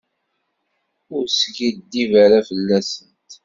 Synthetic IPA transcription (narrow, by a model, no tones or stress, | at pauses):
ʊɾsɡid̪ːivæɾafəlːæsənt̪